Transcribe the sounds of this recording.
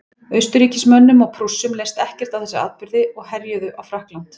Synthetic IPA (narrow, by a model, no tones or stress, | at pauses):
œɥst̪ʏɾiːcɪsmœnːʏmɔɣpʰɾusːʏmleːjst̪ɛhcɛr̥t̪awθɛsːɪa̰ːðpʏɾðɪɔɣɦɛɾjœðʏʔawfɾahklan̥t̪